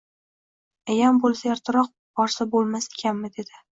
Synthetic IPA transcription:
ajambolˠsajaɾt̪ʰɪɾɒq̚bɒɾsabolˠmase̥kʲʰanmɪd̪e̞d̪̥ɪ

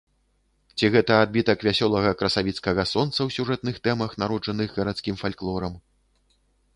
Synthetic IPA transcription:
t͡sʲiɣɛt̪ɐad̪̚bʲit̪ɐkvʲasʲɔlˠɐɣɐkɾɐsavʲit̪skɐɣɐsɔnt̪sɐwsʲuʐɛt̪nɨxt̪ɛmɐxnaɾɔd͡ʐɐnɨɣɣɐɾat̪skʲimfalʲklˠɔɾɐm

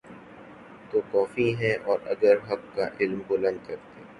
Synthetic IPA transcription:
t̪okɔːfiɦɛ̃ʔɔːɾɐ̰ɡəɾɦɐk̚kaʔɪlmbʊlɐ̃nd̪̚kɐɾt̪eː

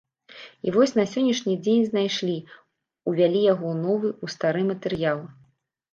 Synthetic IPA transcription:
ḭvɔsʲnɐsʲɔnʲːɐʂnʲid͡zʲenʲznajʂlʲi | uvʲalʲijaɣɔnɔvɨust̪aɾɨmɐt̪ɛɾjalˠɨ

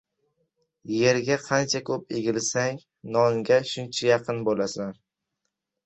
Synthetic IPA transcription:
je̞ɾɡʲaqʰɑnt͡ʃʰakʰɵp̚eɡʲɪlsaŋ | nɒŋɡʲaʃʊnt͡ʃʰajɑqʰɨnbolasan

